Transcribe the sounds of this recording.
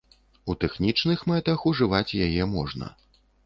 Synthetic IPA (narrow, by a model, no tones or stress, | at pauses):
ut̪ɛxnʲit͡ʂnɨxmɛt̪ɐxuʐɨvat͡sʲjajɛmɔʐnɐ̰